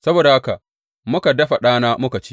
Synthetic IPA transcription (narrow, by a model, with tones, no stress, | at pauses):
sɐ˦boː˨da˨ha˦ka˨ʔ | mʊ˦ka˨dɐ˦ɸa˨ɗaː˦naː˦mʊ˦ka˨t͡ʃi̥˦